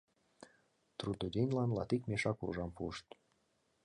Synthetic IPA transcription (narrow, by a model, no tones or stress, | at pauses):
t̪rud̪odʲenʲlɑnlɑt̪ikmʲeʃɑkṵʒɑmpuʃt̪